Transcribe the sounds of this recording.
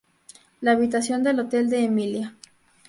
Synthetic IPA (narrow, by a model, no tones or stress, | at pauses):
laːβit̪asjo̞nd̪e̞lo̞t̪e̞ld̪e̞ːmilja